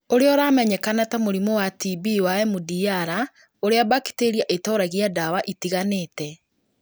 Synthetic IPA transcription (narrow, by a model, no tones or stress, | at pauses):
oɾeɔɾaːmɛɲɛkanatamoɾimɔwatibiwaɛmudiaɾa | oɾeaβaki̥teɾiaʔetɔːɾaɣiadawaʔitiɣaneːtɛ